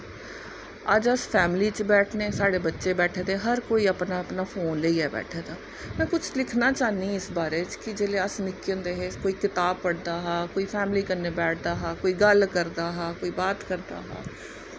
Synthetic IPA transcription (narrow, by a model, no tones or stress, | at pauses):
əd͡ʒəspʰɛːmɪliːt͡ʃbɛːʈʰneːsaːɽeːbətːʃeːbɛːʈʰːd̪eːɦəɾkoːiːəpnaːəpnaːfʰoːnləiːɛːbɛ̰ːʈʰeːd̪aː | mɛ̃ːkʊt͡ʃʰlɪkʰnaːt͡ʃaːniːɪsbaːɾeːt͡ʃkɪd͡ʒeːleːəsnɪkə̃nd̪eːɦeːkoːiːkɪt̪aːb̚pːəɽd̪aːɦɛːkoːiːpʰɛːmliːkəɾneːbɛːʈʰd̪aːɦaːkoːiːɡəlkəɾd̪aːɦɛːkoːiːbaːt̪kəɾd̪a̰ːɦa̰ː